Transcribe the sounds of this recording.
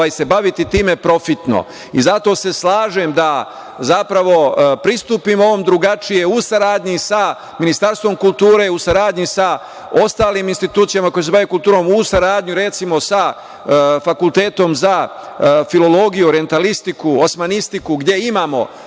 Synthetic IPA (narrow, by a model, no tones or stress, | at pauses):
aːjse̞baʋit̪it̪iːme̞pɾo̞fit̪no̞̰ | ḭzat̪o̞ːse̞slaːʒe̞md̪a | zapɾaʋo̞pɾist̪uːpimo̞ʋomd̪ɾuɡat͡ʃije̞usaɾaːd̪ɲisa | minist̪aɾst̪vʋo̞mkulˠt̪uːɾe̞usaɾaːd̪ɲisa | o̞st̪aːliːminst̪it̪uːt̪sijamako̞jos̬eaʋekult̪uːɾo̞musaɾaːd̪ɲuɾe̞t̪simo̞sa | fakulˠt̪e̞ːt̪o̞mza | filo̞lo̞ɡijuoɾije̞nt̪alist̪ikuosmanist̪ikuɡd̪ʲe̞imaːmo̞̰